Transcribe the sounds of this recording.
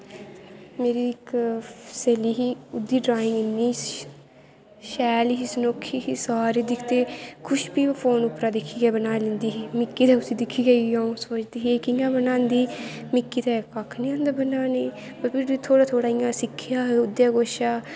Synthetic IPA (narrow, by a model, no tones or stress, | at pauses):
meːɾiːɪkseːliːɦiːʊd̪ːiːɖɾaːɪ̃ŋɡɪnːiː | ʃɛːliɦiːsənoːkʰːiːɦiːsaːɾeːd̪ɪkʰt̪eːkʰʊʃbiːpʰoːnʊpɾaːd̪ɪkʰːiːɡɛːbənaːlɪ̃nd̪iːɦiːmɪkːiːt̪ɛːʊsiːd̪ɪkʰːiːɡəiãːũsoːt͡ʃd̪iːɦkɪjãːbənãːnd̪iː | mɪkːiːt̪ɛːkakʰnĩːãːnd̪aːbənaːniː | pəɾpʰɪɾiːt̪ʰoːɽaːt̪ʰoːɽaːɪjãːsɪkʰːɪjaːɦʊd̪jaːɡoːʃaː